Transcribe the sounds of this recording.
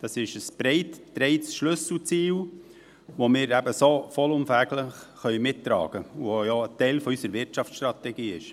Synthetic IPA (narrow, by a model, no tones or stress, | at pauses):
d̥ɑsɪʃəsbɾɛɪttɾɛɪtsʃlɵsl̩t͡siːl | ʋomɪːɾæbəsofɔlʊmfæːɡləχχœʏmɪtːɾɑ̰ːɡ̥əuojoətɛɪlfɔysəɾʋɪɾt͡ʃɑftt͡ssʃtɾɑt̪ɛɡiːɪʃ